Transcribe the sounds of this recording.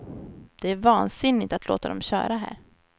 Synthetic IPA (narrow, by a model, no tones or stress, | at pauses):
d̪̥ɛæɾvɑːnsɪnːɪt̪at̪loːt̪ad̪ɔmɕœ̰ːɾaɦæ̰ːɾ